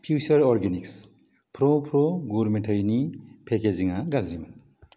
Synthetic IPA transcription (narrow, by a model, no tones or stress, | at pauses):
pʰjut͡ʃɐɾɔɾɡeniks | pʰɾopʰɾoɡuɾmeʈʰəjnipʰekeziŋaɡazɾiman